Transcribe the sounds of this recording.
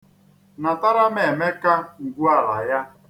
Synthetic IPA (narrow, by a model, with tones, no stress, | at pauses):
na˨ta˦ɾa˦me˨me˦ka˦ŋ̩˨ɡʷu˦a˦la̰˨ja˦